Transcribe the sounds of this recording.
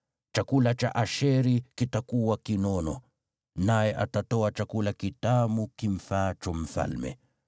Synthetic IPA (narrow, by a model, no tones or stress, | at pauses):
t͡ʃakulat͡ʃa̰ʔaʃɛɾikitakuwakinɔnɔ̰ | najɛʔatatɔat͡ʃakulakitamukim̩fat͡ʃɔm̩fa̰lmɛ̰